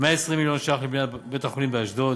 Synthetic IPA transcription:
meaesʁimiljonʃaχlibnabet̪aχolimbeaʃd̪o

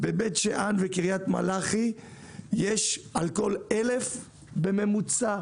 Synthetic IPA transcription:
bebet̪ʃeʔanvekiʁjat̪ma̰laχi | jeʃalko̞lele̞f | beme̞mut͡sa

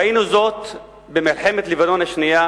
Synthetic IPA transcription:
ainuzo̞t̪ | bemilħe̞met̪livano̞nhaʃnija

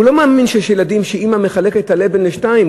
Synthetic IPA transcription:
ulo̞maːminʃeʃjeladimʃeimameχale̞kethalebenleʃtaim

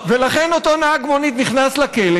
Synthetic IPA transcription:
velaχe̞no̞t̪onaaɡmonit̪niχnaslakele

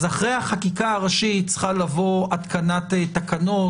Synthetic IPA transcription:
zaχʁejhaχakikaaʁaʃit͡sχalavo̞at̪kanat̪et̪akano̞

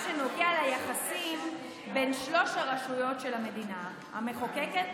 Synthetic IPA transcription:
ʃeno̞ɡealajaχasim | benʃlo̞ʃaʁaʃujo̞tʃelame̞dina | ha̰meχokeket

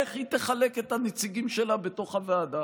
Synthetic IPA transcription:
eχhit̪eχale̞ketanet͡siɡimʃe̞labe̞to̞χhaveada

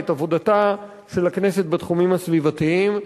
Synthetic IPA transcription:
etavo̞d̪ata | ʃelakne̞set̚bat̪χumimhasvivat̪iim

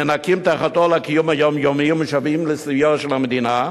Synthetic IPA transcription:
enakimt̪aχat̪olakijumhajomjomimuʃavimlesijoʁʃelamed̪ina

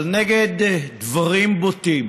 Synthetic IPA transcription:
lneɡed̪d̪vaʁimbot̪im

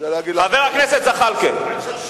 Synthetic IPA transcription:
iaveʁakneset̪zaχalkel

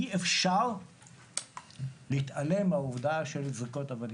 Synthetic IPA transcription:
iefʃaʁ | lit̪ale̞mauvd̪aʃelzʁikot̪avan

